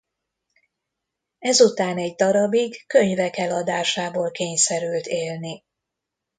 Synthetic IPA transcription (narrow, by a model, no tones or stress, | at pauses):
ɛzut̪aːnɛɟd̪ɒɾɒbiɡːø̞ɲvɛkɛlɒd̪aːʃaːboːlkeːɲsɛɾylt̪eːlni